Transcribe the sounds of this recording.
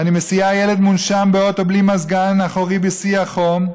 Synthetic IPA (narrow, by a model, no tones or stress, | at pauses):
animesiajeled̪munʃambeo̞to̞blimazɡanaχoʁibisiaχom